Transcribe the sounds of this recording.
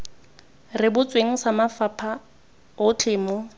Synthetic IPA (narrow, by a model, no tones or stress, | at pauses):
rɪbʊt͡sʼweŋ̩samafapʰa | ʊt͡ɬʰɪːmɔ